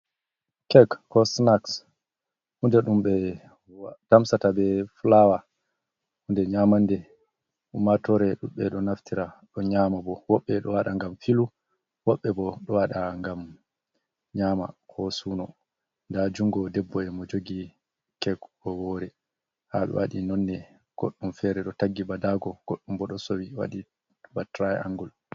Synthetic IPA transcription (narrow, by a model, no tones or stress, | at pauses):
kɛkːɔsnaks | hundɛɗumɓɛ | tamsatabɛflawa | hundɛɲamandɛ | umatɔɾɛɗumɓɛɗɔnaftiɾaɗɔɲamabɔwɔɓːɛɗɔwaɗaŋɡamfilu | wɔɓːɛbɔɗɔwaɗaŋɡam | ɲama̰hɔsuːnɔ | ndad͡ʒuŋɡɔdɛbːɔɛmɔd͡ʒoɡi | kɛɡɔwɔːɾɛ | haɓɛ̰wa̰ɗinɔnːɛ | ɡ̥oɗːumfɛɾɛɗɔtaɡːibadaɡɔɡ̥oɗːumbɔɗɔsowiwa̰ɗi | batɾajɛ̰a̰ŋɡɔl